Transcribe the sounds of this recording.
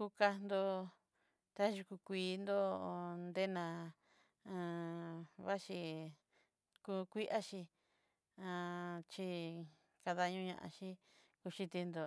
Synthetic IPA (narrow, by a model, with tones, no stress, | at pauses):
ku˧ka˧nd̪o˧ | t̪a˦ʒu˧ku˧kʷiː˨˧˦nd̪o˦˧nd̪e˦nã˧ | ã˧ | βa˦ʃi˧ | ku˧kʷi˦ʔa˦ʃi˧ | ã˧t͡ʃi˧ | ka˧ða˧ɲũ˦ɲã̰˧ʔã̰˧ʃi˦ | ku˧ʃi˧t̪i˧nd̪o˧